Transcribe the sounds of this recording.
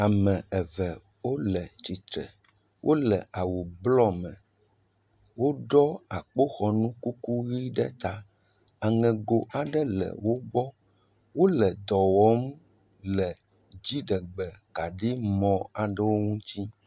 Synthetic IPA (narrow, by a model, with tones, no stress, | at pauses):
a˨mɛ̃˨ɛ˨vɛ˨ | wo˦lɛ˨t͡ɕi˨t̪ɾɛ̰˨ | wʔo˦lɛ˨ʔa˨wu˨blɔ˦mɛ̰̃˨ | wo˦ɖɔ˦a˨k͡po˦xɔ˨nũ˦ku˦ku˦ɣi˦ɖɛ̰˦t̪a˦ | a˨ŋɛ̃˨ɡo˨ʔa˨ɖɛ˦lɛ̰˨wo˦ɡ͡bɔ˦ | wo˦lɛ˨d̪ɔ˨wɔ˨˦m | lɛ˨ | d͡ʑi˦ɖɛ˨ɡ͡bɛ˨ka˨ɖi˦mɔ̃˨a˨ɖɛ˦wo˦ŋũ˦t͡ɕi˦